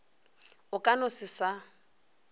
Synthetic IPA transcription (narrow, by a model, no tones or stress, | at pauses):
ʊkʼanʊsɪsa